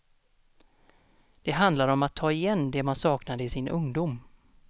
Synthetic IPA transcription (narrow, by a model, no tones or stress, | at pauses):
d̪̥ɛɦand̪laɾɔmat̪ʰːɑːɪjɛnːd̪ɛmansɑːknad̪əɪsɪnʔɵŋd̪ʊm